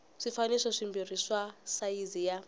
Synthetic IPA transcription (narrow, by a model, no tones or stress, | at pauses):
ʂifaniʂɔʂimbiriswasaizija